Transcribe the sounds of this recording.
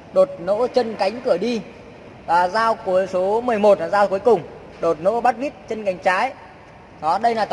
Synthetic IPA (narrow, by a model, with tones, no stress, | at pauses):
ɗo˨˩t̚no̰˧˥t͡ɕə˧nka˨˦jŋ̟kɨ˧˩əɗi˧ | vaː˨˩zaː˧wku˨˦əjso˨˦mɨ˨˩əjmo˨˩t̚ːzaː˧wku˨˦əjkʊ˨˩ŋ͡m | ɗo˨˩t̚no̰˧˥ɓa˦˥t̚vi˦˥t̚t͡ɕə˧nka˨˦jŋ̟t͡ɕaː˨˦j | ɗɔ˨˦ɗə˧jlaː˨˩t̪